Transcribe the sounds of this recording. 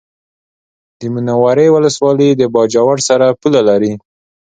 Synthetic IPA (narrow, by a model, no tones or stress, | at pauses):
d̪əminawaɾəjwʊləswɑləd̪əbɑd͡ʒawaɽsaɾapulalaɾi